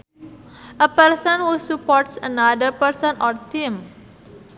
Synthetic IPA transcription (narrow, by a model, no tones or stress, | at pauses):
ʔəpərsənwusupɔrʈsənadərpəɾsənɔrt̪im